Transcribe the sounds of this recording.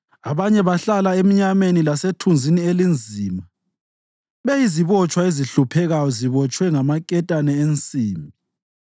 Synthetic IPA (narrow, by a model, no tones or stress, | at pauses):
aβaɲɛβaɬalaem̩ɲamenilasetʰund͡zʱinielind͡zʱiːma | βɛjiziβɔt͡ʃʼwaeziɬupʰɛɣajɔziβɔt͡ʃʼwɛŋamakʼɛtʼanɛent͡sʼiːmbi